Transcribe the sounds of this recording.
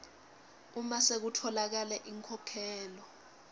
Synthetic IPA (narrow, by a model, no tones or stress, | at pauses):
umasek̬utʰɔlak̬alɛʔiŋkʰɔkʰɛːlɔ